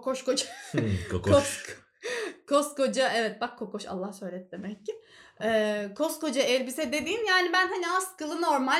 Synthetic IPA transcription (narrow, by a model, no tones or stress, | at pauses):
kʰoʃko̞d͡ʒakʰokokʰ | kʰoskʰo̞d͡ʒaɛvɛt̪̚bakʰːo̞ko̞ʃa̰lˠːahsø̞jlʲɛt̪̚d̪emɛcːɪɛːkʰo̞sko̞d͡ʒaɛlʲbisɛd̪e̞d̪iːnjaːnibænɦaniaskɯlˠɯno̞ɾma